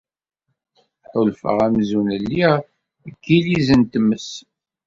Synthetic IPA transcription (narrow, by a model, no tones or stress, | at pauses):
ħolfə̰ʁæmzunəlːi | əkːilizənt̪mːəs